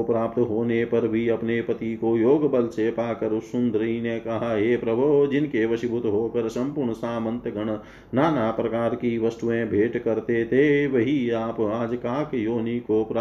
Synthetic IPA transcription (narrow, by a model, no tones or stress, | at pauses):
pɾaːpt̪ɦoːnepɐɾbʱiɐpnepɐt̪ikojoːɡbəlseːpaːkɐɾsʊ̃nd̪ʱɾinekɐɦaɦeːpɾɐbʱod͡ʒɪnkeʋɐsɪbʱʊt̪ɦoːkəɾsɐ̃mpʊɾɳsaːmə̃nt̪ɡəɳ̃ | naːnaːpɾɐkaːɾkiʋɐst̪uẽbʱeːʈkɐɾt̪et̪ʰeʋɐɦiaːpaːd͡ʒkaːkjoːnikopɾ